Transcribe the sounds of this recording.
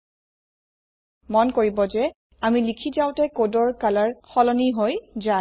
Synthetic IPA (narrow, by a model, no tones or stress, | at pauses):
mɔnkoɹibɔzɛ | amilikʰizawtɛkodɔɹkalaɹxɔlɔniɦojza